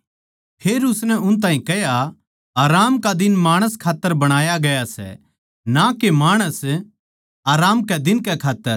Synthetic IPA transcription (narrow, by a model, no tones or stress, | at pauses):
pʰeːɾʊsnɛʊnt̪̬aːĩkɐja | aːɾaːmkad̪ɪnmaːɽ̃əskʰaːt̪ːəɾbɐɽ̃aːjaɡɐjasɛ̰ | nakemaːɽ̃əs | aːɾaːmkɛd̪ɪnkɛkʰaːt̪ːəɾ